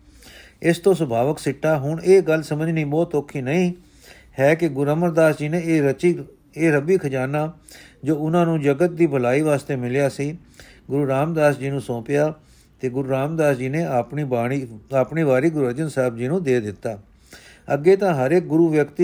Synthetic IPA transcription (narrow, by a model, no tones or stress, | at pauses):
ɪst̪õːsəbʱaːʋəksɪʈːaːɦʊɳeːɡəlsəməd͡ʒniːbɔːt̪oːkʰːiːnəĩː | hɛːkɪɡʊɾəməɾd̪aːsd͡ʒiːnẽː | eːɾəbiːkʰəd͡ʒaːnaː | d͡ʒoːʊnãːnũːd͡ʒəɡət̪̚d̪iːbʱəlaːiːʋaːst̪eːmɪljaːsiː | ɡʊɾuːɾaːmd̪aːsd͡ʒiːnũːsɔ̃ːpɪjaː | t̪eːɡʊɾuːɾaːmd̪aːsd͡ʒiːnẽːiiaːpɳiːbaːɾiːɡʊɾuːəd͡ʒənsaːbd͡ʒiːnũːd̪eːd̪ɪt̪ːaː | əɡːeːt̪ãːɦəɾeːk̚ɡʊɾuːʋjəkt̪i